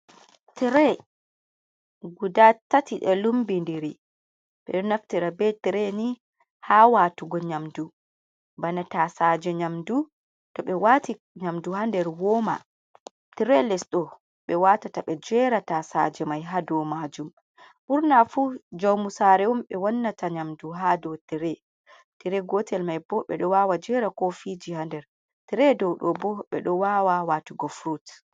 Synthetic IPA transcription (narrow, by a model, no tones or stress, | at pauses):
tɛɾɛ | ɡudatːatiɗɛlumbindiɾi | ɓɛɗɔnaftiɾabɛtɛɾɛni | haːwaːtuɡɔɲamdu | banatasad͡ʒɛɲamdu | tɔɓɛwaːti | ɲamduhandɛɾwɔma̰ | tiɾɛlɛsɗɔ | ɓɛwatataɓɛd͡ʒɛɾatasad͡ʒɛmajɦadɔmad͡ʒum | ɓuɾnafud͡ʒawmusaɾɛwɔmɓɛwanːataɲamduɦadɔwtiɾɛ | tiɾɛɡɔtʰɛlmajbɔɓɛ̰ɗɔwawad͡ʒɛɾakɔfid͡ʒihandɛɾ | tiɾɛdɔwɗɔbɔɓɛ̰ɗɔwawawatuɡɔfɾut